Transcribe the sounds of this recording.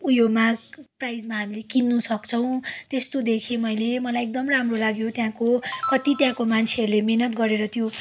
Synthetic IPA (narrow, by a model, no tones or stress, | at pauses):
ujomaprajd͡zmaɦamilekinːusʌkt͡sʰʌw̃t̪est̪od̪ekʰemʌjlemʌlajek̚d̪ʌmramrolaɡjot̪jãkokʌt̪it̪jãkomant͡sʰeʌɾulemenʌt̪ɡʌɾeɾʌt̪jo